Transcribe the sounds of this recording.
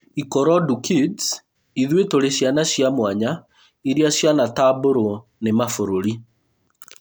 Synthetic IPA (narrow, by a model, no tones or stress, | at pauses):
ikɔɾɔdukids | iðwetoɾeɕjanaɕjamwaɲa | iɾiaɕjanataboɾonemafoɾoɾi